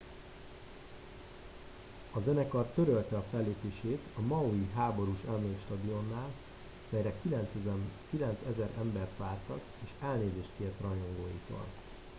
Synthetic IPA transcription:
ɒzɛnɛkɒrt̪ːø̞ɾølt̪ɛɒfɛlːeːpeːʃeːt̪ɒmɒuiɦaːbo̞ɾuʃɛmeʃt̪ɒd̪io̞nːaːl | mɛjɾɛk̪ | kilɛnt̪sɛzɛɾɛmbɛrt̪ʋaːrt̪ɒ̰k | eːʃɛlneːzeːʃt̪kert̪rɒjo̞ŋɡoːjḭt̪o̰ːl

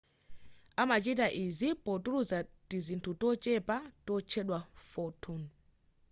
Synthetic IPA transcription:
amat͡ʃitaʔizipɔtuɾuzatizintʰutɔt͡ʃɛpatɔt͡ʃʰɛɗwafɔtʰun

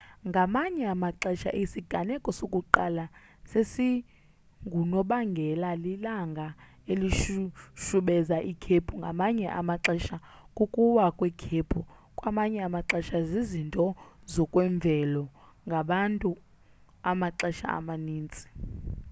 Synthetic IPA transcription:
ŋɡʱamaɲɛamaǁɛʃa̰ʔisiɡ̥ʱanɛkʼɔsokʼuǃala | sesi | ŋɡʱunɔɓaŋɡʱɛlalilaŋɡʱa | eliʃuʃuɓɛzaʔikʰepʰuŋɡʱamaɲɛʔa̰maǁɛʃa | kʼukʼuwakʼwikʰepʰukʼwamaɲɛamaǁɛʃazizintʼɔzɔkʼwɛɱb̪vʱɛlɔ | ŋɡʱaɓantʼu | amaǁɛʃa̰a̰maniːnt͡sʼi̥

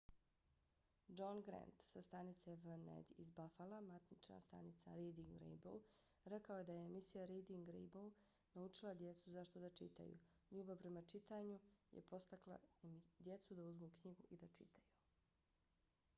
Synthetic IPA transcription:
d͡ʒonɡɾḛnt̪sast̪anit̪sevənḛd̪izbafalamat̪nit͡ʃna̰st̪a̰nit̪saɾed̪iŋɡɾḛjbo̰w | ɾekaoje̞d̪ajeːmisijaɾejd̪iŋɡɾḛjbou | naut͡ʃilˠad̪je̞t̪suzaʃt̪od̪at͡ʃḭt̪a̰jṵʎuːbapɾe̞mat͡ʃit̪aːɲujḛpo̞st̪aklˠa̰md̪je̞t̪sud̪auzmukɲiɡuʔid̪at͡ʃit̪ʰaju

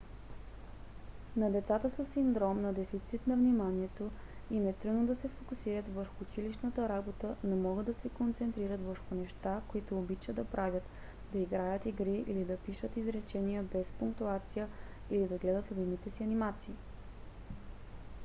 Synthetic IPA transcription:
nɐd̪ɛt̪sat̪əsəsːind̪ɾɔmnɐd̪ɛfit̪sit̪nɐvnimaniɛt̪oinɛt̪ɾud̪nod̪ɐsɛfokʊsiɾət̪vəɾxʊːt͡ʃiliʃnət̪əɾabot̪ənomɔɡəd̪ːɐsɛkont̪sɛnt̪ɾiɾət̪vəɾxʊnɛʃt̪akoit̪ʊːbit͡ʃəd̪ɐpɾavʲjət̪ | d̪ɐiɡɾajət̪iɡɾiʔilid̪ɐpiʃət̪izɾɛt͡ʃɛnijəbɛspʊŋk̚t̪uat̪sijə | ilid̪ɐɡlɛd̪ət̪ld̪init̪ɛsiɐnimat̪siː

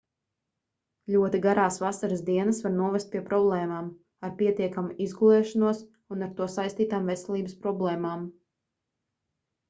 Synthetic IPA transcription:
lʲuɔt̪iɡaɾaːsvasaɾɨsd̪iɛnasvaɾnuɔvʲɛst̪̚pʲiɛpɾɔblˠɛːmaːm | aɾpʲiɛt̪iɛkamuizɡulˠɛːʃanuɔs | unaɾt̪uɔsajst̪iːt̪aːmvɛsɛlˠiːbəspɾɔblˠɛːmaːm

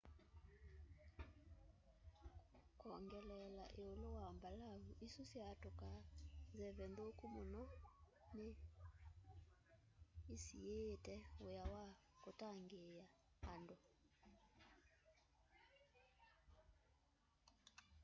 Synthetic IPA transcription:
kɔŋɡɛlɛlaʔeolowambalaβuʔisusjatokanzɛβɛndokumonɔ | ne | sietɛojawakotaŋɡejaː | ndo

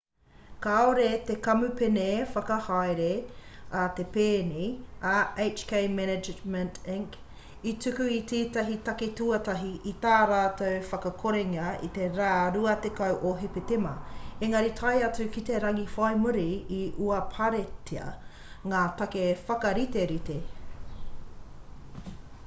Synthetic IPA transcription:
kaoɾet̪ekɐmupenefɐkɐhajɾeɐt̪epeːniɐejt͡ʃkʰejmɛnɛd͡ʒmɛntɪŋk | it͡sʉkʉit͡siːt̪ɐɦit̪ɐketuɐt̪ɐɦiʔit̪aːɾaːtowfɐkɐkʰoɾeŋɐḭt̪eɾaːɾuɐt̪ekɐwʔoɦepet̪emɐ̰eŋɐɾit̪ʰɐjɐt͡sʉkit̪eɾɐŋifajmuɾiiʔuɐpʰɐɾetʰeɐ̰ | ŋaːt̪ɐkefɐkɐɾit̪eɾit̪e

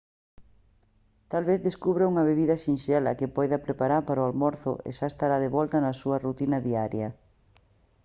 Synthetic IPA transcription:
t̪alβeθðeskuβɾauŋɐβ̞eβiðɐʃinʃɛlɐkepɔjðɐpɾepaɾaɾpaɾoalmɔɾθʊ̰ʔḛʃaest̪aɾaðeβɔlt̪ɐnɐsuɐrut̪inɐðiaɾjɐ

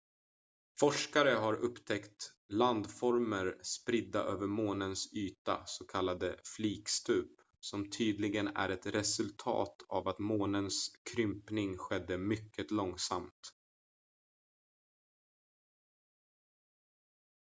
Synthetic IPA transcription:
fɔʂkaɾəɦaɾɵpːt̪ʰɛkt̪ | land̪fɔɾməɾspɾɪd̪ːaʔøːvəɾmoːnənsyːt̪a̰sɔkʰalːad̪əfliːkst̪ʉːp | sɔmt̪ʰyːd̪lɪɡənæ̰ɾɛt̪ɾɛsɵlt̪ʰɑ̰ːt̪ʰa̰vat̪moːnənskʰɾʏmpnɪŋɧɛd̪ːəmʏkʰːət̪lɔŋsa̰mt̪

